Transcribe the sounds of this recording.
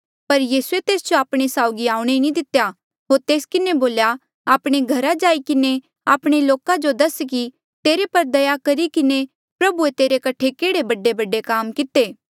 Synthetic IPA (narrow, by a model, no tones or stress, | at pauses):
pɐɾjiːsuet̪eːsd͡ʒoaːpɽ̃esaːʊɡiaːũɽ̃enĩd̪ɪt̪ja | ɦoːɾt̪eːskɪneboːlja | aːpɽ̃eɡʱɐɾad͡ʒaːikɪne | aːpɽ̃eloːkãd͡ʒod̪ɐski | t̪eːɾepɐɾd̪ɐjakɐɾikɪne | pɾɐbuet̪eːɾekɐʈʰekeːɽebɐɖːebɐɖːekaːmkɪt̪eː